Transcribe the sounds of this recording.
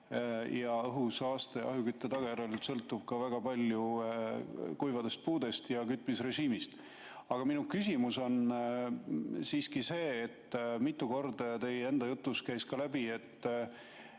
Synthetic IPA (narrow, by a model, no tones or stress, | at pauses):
jɑɤɦusɑːst̪eʔɑ̰ɦukyt̪ːet̪ɑɡ̥ɑjæɾelsɤ̞lt̪ˑːub̥kɑvæɡ̥ɑpɑlʲju | kujvɑd̪e̞st̪̚puːd̪e̞st̪jɑkyt̪ːˑmisre̞ʒiːmist̪ | ɑɡ̥ɑminukysʲimuso̞n | siːskise̞ːt̪ːmit̪ːˑuko̞rd̪ɑjt̪e̞jee̞nd̪ɑjut̪ˑːuskæjskɑlæbie̞t̪ːˑ